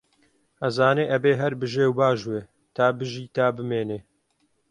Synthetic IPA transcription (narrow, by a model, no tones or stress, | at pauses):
ʔɐzaːneːʔɐbeːɦɐɾbɨʒeːwbaːʒweː | t̪ʰaːbɨʒiːt̪aːbɨmeːneː